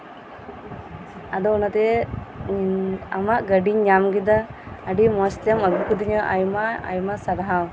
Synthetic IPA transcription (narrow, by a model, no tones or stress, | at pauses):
ad̪ɔnat̪ɛ | amaʔɡəɖiɲɲamɡid̪aː | ɖimɔst̪jaməɡukud̪iɲɔʔajmaa̰jmasaɾaɦaw